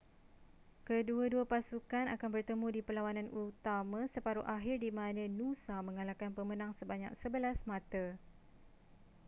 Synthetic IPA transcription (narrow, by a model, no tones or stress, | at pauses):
kəduaduapasukanakanbərt̪əmũdipəlawanãnʔut̪amãsəpaɾuʔaɦɪrdimãnãnũsamə̃ŋalakanpəmə̃nãŋsəbaɲa̰k̚səbəlasmãt̪a